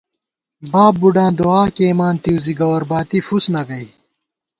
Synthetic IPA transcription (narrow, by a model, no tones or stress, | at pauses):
baːbːuɖãːd̪oaːkeːmaːnt̪iwziɡɐwɐɾbaːt̪ifusnɐɡɐi